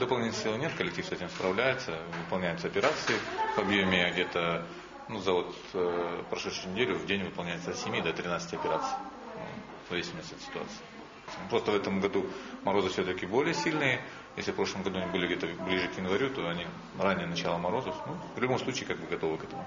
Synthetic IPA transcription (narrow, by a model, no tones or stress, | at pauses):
d̪əpɐlˠnʲit̪ʲɪlʲsʲilˠnʲe̞t̪kəlʲɪk̚tʲifsɛtʲɪmspɾɐvlʲæjʊt̪səvɨpɐlˠnʲæjʊt̪səɐpʲɪɾat̪sɨɪvɐbjomʲɪɡdʲe̞t̪ə | nuzɐvo̞t̪ | pɾɐʂɛt̪ʂʊjʊnʲɪdʲelʲʊvdʲenʲvɨpɐlˠnʲæjɪt̪əsʲɪmʲjid̪ɐt̪ɾʲɪnat̪sɨtʲɐpʲɪɾat̪sɨ̥ɪ̰ | zɐvʲesʲɪməsʲt̪ʲɛt̪sʲɪt̪ʊa̰t̪sɨ̥ɪ | sʲmpɾo̞st̪əvɛt̪əmɡɐd̪umɐɾo̞zɨfsʲɵt̪əkʲɪbolʲɪjəsʲilʲnɨjə | jḛsʲlʲɪfpɾo̞ʂlˠəmɡɐd̪uɐnʲibɨlʲɪɡdʲet̪əblʲiʐɨkjɪnvɐɾʲut̪o̞ɐnʲi | ranʲːɪjənɐt͡ɕalˠəmɐɾo̞zəfnuvlʲʊbo̞msˠut͡ɕiːkaɡ̚bɨɡɐt̪o̞vɨkɛt̪əmʊ